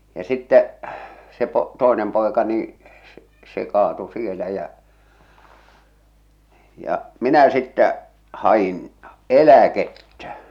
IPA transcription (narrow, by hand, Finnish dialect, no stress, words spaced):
jɑ sitːɛ se po se toˑenem poˑekɑ niː se se kɑːtu sielæ jæ jɑʔ minæ sitːæ hɑj̆in elæketːæ